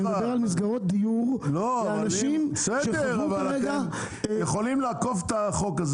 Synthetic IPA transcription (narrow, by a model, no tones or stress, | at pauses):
edbeʁalmis̬ɡaʁot̪̚d̪ijuʁloanaʃnimseʃed̪eauvalʁeɡa | jeχo̞limleakofet̪aχokaz